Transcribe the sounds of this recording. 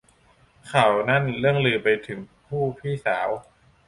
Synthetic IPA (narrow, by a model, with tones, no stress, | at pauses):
kʰa˨˩wna˥˩nlɯ˥˩əŋlɯː˧˩pa˧jt̪ʰɯ˩˦ŋpʰuː˥˩pʰiː˥˩saː˩˦w